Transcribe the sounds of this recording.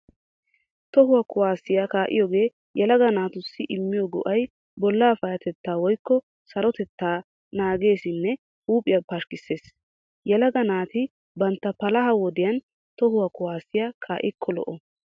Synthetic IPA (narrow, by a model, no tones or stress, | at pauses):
t̪ɔɦʊwɐkʊwaːsɪjakaːʔɪjɔːɡe̞ː | jɛlɐɡɐnaːt̪ʊsːɪʔɪmːɪjɔɡʊ̰ʔɐj | bɔlːaːfɐjɐt̪ɛt̪ːaːwɔjkːɔ | sɐɾɔt̪ɛt̪ːaː | naːɡe̞ːsɪnːɛ | huːpʼːɪjɐpɐʃkɪsːe̞ːs | jɛlɐɡɐnaːt̪ɪ | bɐnt̪ːɐpɐlɐɦɐwɔd̪ɪjɐn | t̪ɔɦʊwɐkʊwaːsɪjakʰaːʔɪkʰːɔlɔ̰ʔɔ